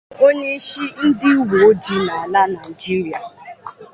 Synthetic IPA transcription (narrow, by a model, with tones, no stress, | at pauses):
o˦ɲe˦ʃi˦n̩˦dɪ˦u˦ɦo˨o˦d͡ʒi˦na˨a˨la˦na˨i˨d͡ʒi˦ɾi˦a˨